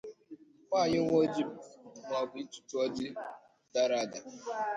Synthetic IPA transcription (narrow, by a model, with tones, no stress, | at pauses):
kʷa˦˨ɲɪ˦ŋʷo˦d͡ʒi˦bŋʷ˨a˨ɡʷi˨i˦tu̥˨tu˦ɔ˦dɪ˦ | da˦ɾa˦˨da˨